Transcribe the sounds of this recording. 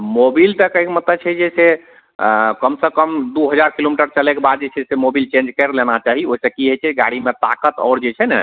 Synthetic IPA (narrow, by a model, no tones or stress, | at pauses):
mobilt̪əkəikmət̪ləbt͡ʃʰɛd͡ʒese | kəmsə̃kəmd̪uɦəd͡ʒaɾkilomiʈəɾt͡ʃəlekebad̪̚d͡ʒet͡ʃʰɛsemobilt͡ʃẽnd͡ʒkɛɾlenat͡ʃaɦioisəkiɦət͡ʃʰɛɡa̰ɽimet̪akət̪ɔ̰ːɾd͡ʒet͡ʃʰɛnɛ̰